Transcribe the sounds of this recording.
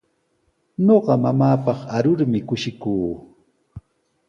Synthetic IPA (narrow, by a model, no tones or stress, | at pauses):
ɲoɢɑmamaːpɑχaɾʊɾmɪkʊʃɪkuː